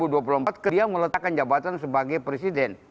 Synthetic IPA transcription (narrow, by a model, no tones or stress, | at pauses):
uduap̬uluhmpat̪̚kədiamələt̪akand͡ʒabat̪ansəbaɡajpɾesidɛn